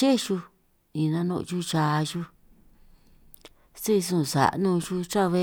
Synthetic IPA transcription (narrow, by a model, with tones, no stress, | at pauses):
e˦ʃu˧ | ĩ˨nã˧nõ̰˧t͡ʃu˦t͡ʃa˧ʒu˦ | si˦˧sũ˦˧˨sa̰˨ʔnũ˧ʒu˦t͡ʃa˦˧βe˦˧